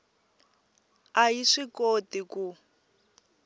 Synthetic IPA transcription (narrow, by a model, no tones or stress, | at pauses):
ajiʂikotiku